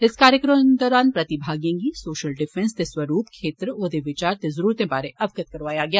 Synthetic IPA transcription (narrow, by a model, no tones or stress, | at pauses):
ɪskaːɾjəkɾəmd̪ɔːɾaːnpɾɐt̪ɪbʱaːɡijẽŋɡisoːʃəlɖɪfɛnst̪esʋɐɾuːpkʰeːt̪ɾoːd̪eʋɪt͡ʃaːɾt̪ezəɾuːɾt̪ẽbaːɾeʔɐʋkət̪̚kɐɾʋaːjaɡɪjaː